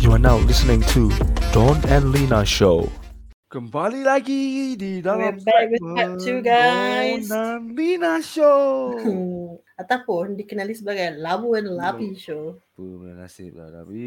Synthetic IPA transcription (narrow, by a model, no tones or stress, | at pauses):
juanawlɪsənɪ̃ŋtʰudɔ̃nɛ̃nlinaʃo | kə̃mbalilaɡididɔbɛakwɪat͡ʃuɡajsɔnlinaʃo | at̪awpʊndikənalisəbaɡajlabuɛ̃nlabiʃo